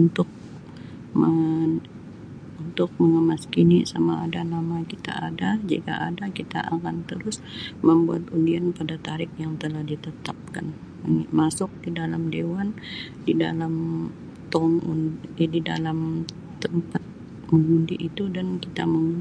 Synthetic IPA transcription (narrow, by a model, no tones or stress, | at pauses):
unt̪ʊk̚ | mə | unt̪ʊk̚məŋəmaskinisama̰ːdanamakit̪a̰adad͡ʒḭka̰ʔadakit̪a̰ʔakant̪əɾʊs | məmbua̰t̪undianpadat̪aɾɪk̚jaŋt̪əlahdit̪ət̪ap̚ka̰n | əmasʊk̚didalamdewan | dida̰lam | t̪ɔŋṵndida̰lam | t̪əmpat̪̚ | məŋɡundiʔit̪udankit̪a̰məŋ